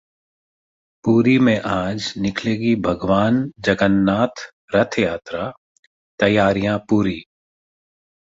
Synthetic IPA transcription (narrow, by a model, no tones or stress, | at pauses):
puːɾimẽʔaːd͡ʒnɪkʰleːɡibʱɐɡʋaːnd͡ʒɐɡənːaːt̪ʰ | ɾɐt̪ʰjaːt̪ɾa | t̪ɐjaːɾijãpuːɾiː